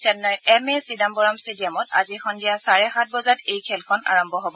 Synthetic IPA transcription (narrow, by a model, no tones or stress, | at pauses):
sɛnaɹɛmɛsidambɔɹamstedijɔmɔta̰zixɔndijasaɹɛxat̚ʰbɔzatejkʰɛlkʰɔna̰ɹɔmbʱɔɦobɔ